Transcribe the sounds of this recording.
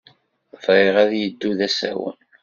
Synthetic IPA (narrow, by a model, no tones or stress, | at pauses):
vɾɪʁæðjəd̪ːuðæsæ̰wə̰n